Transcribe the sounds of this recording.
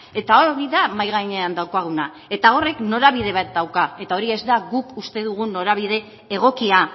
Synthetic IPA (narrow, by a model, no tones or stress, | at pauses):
e̞t̪aooɾiðamajɣ̞aɲe̞and̪awkaɣ̞una | e̞t̪ao̞re̞kno̞ɾaβ̞ið̞e̞βat̪̚d̪awkae̞t̪ao̞ɾie̞zd̪aɣukust̪e̞ð̞uɣ̞uno̞ɾaβ̞iðe̞ː | ɣ̞o̞kia